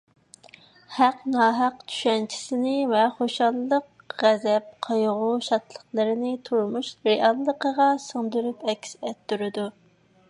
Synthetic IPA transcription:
hæqnɑːɦæqt͡ʃʰy̥ʃɛnt͡ʃʰi̥sɪnɪvɛχoʃɑlˠːəq | ʁæzɛp̚qʰɑjʁuʃɑt̪lˠəχlˠəɾɪnɪt̪ʰuɾmuʃɾeʔɑlˠːəqəʁɑsəŋd̪uɾypɛkʲsɛt̪ːuɾɨd̪u

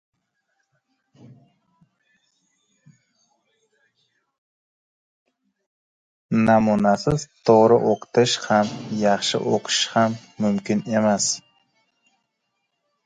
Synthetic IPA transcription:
namunasɪzt̪ʰoʁɾɪʔoqʰʊ̥t̪ʰɪʃhamjɑχʃɪ̰ʔoqʰʊʃhamːʊmkʲɪne̞mas

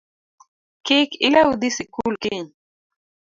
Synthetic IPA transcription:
kekilawud̪isikuːlkiɲ

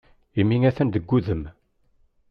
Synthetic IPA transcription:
imːiŋæθænd̪əɡʷːuðəm

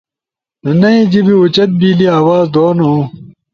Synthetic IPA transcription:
nɐnɐĩd͡ʑibiut͡ɕɐt̪̚biːliaːwaːzd̪oːnõː

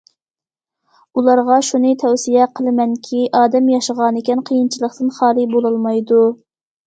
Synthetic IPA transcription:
ulˠɑɾʁɑʃunɨt̪ʰɛwsijɛqʰəlˠɨmɛnkʲʰiʔɑːd̪ɛmjɑʃəʁɑnɪkʲɛnqʰəjint͡ʃʰilˠəqt̪ɨnχɑːlˠɨbolˠɑlˠmɑjd̪u

